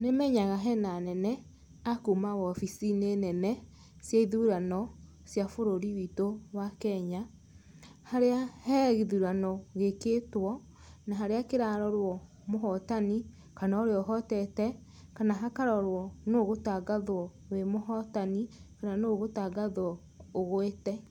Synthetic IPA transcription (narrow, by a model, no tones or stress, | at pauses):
nemɛɲaɣaɦɛnanɛnɛ | akumawɔfisinenɛnɛ | sjaiðuɾanɔ | sjafoɾoɾiwitowakɛɲa | haɾeahɛɣiðuɾanɔɣekeːtwɔ | naɦaɾeakeɾaɾɔɾwɔ | moɦɔtani | kanaoɾeɔɦɔtɛtɛ | kanaɦakaɾɔɾwɔnoɣotaɡaðwɔ | wemoɦɔtanikananoɣotaɡaðwɔ | oɣwetɛ